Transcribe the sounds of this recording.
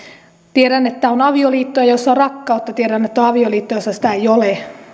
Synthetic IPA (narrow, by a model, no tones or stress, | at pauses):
t̪ieɾænet̪ːæonɑʋioliːt̪ːojɑjosːɑorɑkːɑut̪ːɑt̪ieɾænet̪ːæoɑʋioliːt̪ːojosːɑsi̥t̪æeijole